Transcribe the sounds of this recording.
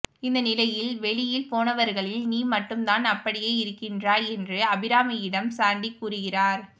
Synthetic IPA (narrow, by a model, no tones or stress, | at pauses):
ɪnd̪ɐnɪlɐjɪlʋɛɭɪjɪlpoːnɐʋɐɾɣɐɭɪlniːmɐʈːɯmt̪aːnɐpːɐɽɪjeːɪɾɯkːɪndraːɛndrɯɐbɪɾaːmɐjɪɽɐmsaːɳɖikːuːrɯɣɪraːɾ